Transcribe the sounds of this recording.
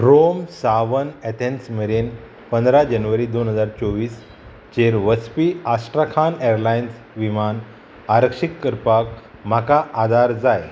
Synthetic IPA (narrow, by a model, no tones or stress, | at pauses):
ɾomsaʋənɛt̪ensmeɾen | pənd̪ɾad͡ʑənʋəɾiːd̪onɦəd͡zaɾt͡soʋiːs | t͡ɕeɾʋəspiːasʈɾakʰaneɾlajns | ʋiman | aɾəkʂikːəɾpak | m̤akaʔːd̪ʱaɾd͡zaj